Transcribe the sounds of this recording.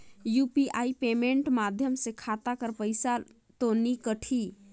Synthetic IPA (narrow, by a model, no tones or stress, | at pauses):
jupiʔaipemeɳʈmad̪ʱjəmsekʰat̪akəɾpəjsa | t̪onikəʈʰi